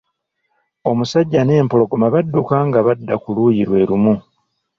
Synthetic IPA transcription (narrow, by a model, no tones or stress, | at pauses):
o̞musaɟːane̞ːmpo̞lo̞ɡomaβadːukaŋɡaβadːakulujiɾwe̞ːɾumu